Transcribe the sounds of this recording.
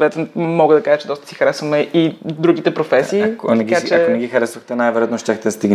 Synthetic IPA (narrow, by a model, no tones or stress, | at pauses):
vɛt̪ɛmɔɡəd̪ɐkaʒət͡ʃɛd̪ɔst̪ə̥si̥xəɾɛsvəmɛid̪ɾuɡ̟it̪ɛpɾofɛsiːkonɛɡikat͡ʃɛkonɛɡʲixəɾɛsvəxt̪ɛnajvɛɾojat̪noʃt̪ʲaxt̪ɛd̪st̪iɡn